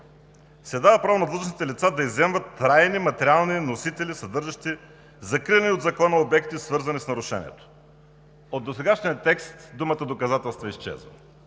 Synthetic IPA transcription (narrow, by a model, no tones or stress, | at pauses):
sɛd̪avəpɾavonɐd̪lozəʃnit̪ɛlit̪sad̪ɐizɛmvət̪ːɾajnimɐt̪ɛɾialˠninosit̪ɛlisɐd̪ɤɾʒɐʃt̪i | zɐkɾivnʲiod̪zɐkɔnəobɛkt̪isvɤɾzɐnisnɐɾʊʃɛ̰nḭɛ̰t̪o̥ | od̪ːosɛɡaʃnijət̪ɛkst̪d̪umət̪əd̪okɐzat̪ɛlˠst̪voist͡ʃɛ̰zvə̰